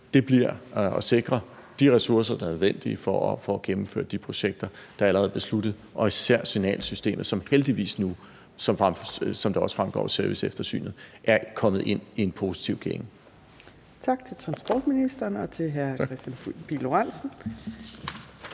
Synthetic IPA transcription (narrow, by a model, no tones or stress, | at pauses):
d̥e̝b̥liɐɒ̽se̝ɡ̥ʁɐd̥iʁɛsuɐs̬ɐd̥ɑ̈nøðˠʋen̰d̥iəfɒfɒɡ̥emm̩fø̰ɐd̥ipʰʁo̝ɕeɡ̥̚d̥ɐd̥ɑ̈ælɐʁɛːð̩ˠb̥e̝slud̥ð̩ˠʔɒ̽isæɐ̰sinɛ̰ːlsysd̥e̝̰ːməð̩ˠsɒ̽mheld̥iʋḭːsnu | sɒ̽mfasɒ̽md̥ɑ̈ɒ̽sfʁamɡ̥ɒ̰ːsæɐʋisefd̥ɐsy̰ːnð̩ˠʔæɐkʰɒ̽m̰ð̩ˠe̝n̰ie̝npʰo̝si̥t͡sʰiʊ̰ɡ̥eŋə | t͡sʰɑ̈ɡ̥̚t͡sʰe̝lt͡sʰʁɑ̈nsb̥ɒːd̥minisd̥ɐːnɒ̽t͡sʰe̝lɦæɐʁɛsd̥ænpiloʁansn̩